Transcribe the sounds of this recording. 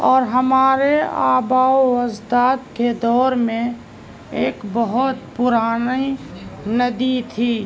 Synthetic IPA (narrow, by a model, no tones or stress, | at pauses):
ɔːɾɦəmaːɾea̰ːbaːwəzd̪aːt̪ked̪ɔːɾmẽ | eːkbəɦʊt̪pʊɾaːninəd̪it̪ʰiː